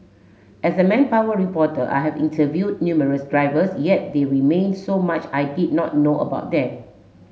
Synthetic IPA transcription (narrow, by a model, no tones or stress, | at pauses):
ʔɛsəmɛ̃npawəɹipɔtəʔa̰jɦɛvĩntʰəvjud̚njuməɹəsdɹaɪvəsjɛt̚deɹimẽnsomat͡ʃajdid̚nɔ̰t̚noə̰baʊt̚dɛ̃m